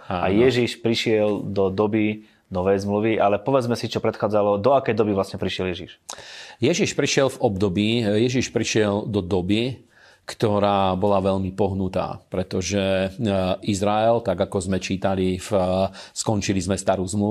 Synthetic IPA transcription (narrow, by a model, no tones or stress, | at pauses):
aa̰jɛʒiʃpɾiʃɪɛld̪ɔd̪ɔbi | nɔʋɛjzmluʋiʔalɛpɔʋɛd͡zmɛsit͡ʃɔpɾɛt̪xaːd͡zalɔd̪ɔakɛjd̪ɔbiʋlasɲɛpɾiʃɪɛljɛʒḭʃjɛʒiʃpɾiʃɪɛlvɔbd̪ɔbiːjɛʒiʃpɾiʃɪɛld̪ɔd̪ɔbi | kt̪ɔɾaːbɔlaʋɛʎmipɔɦnut̪a̰ːpɾɛt̪ɔʒɛ | izɾaɛlt̪aɡakɔzmɛt͡ʃiːt̪alif | skɔnt͡ʃilizmɛst̪aɾuːzmlu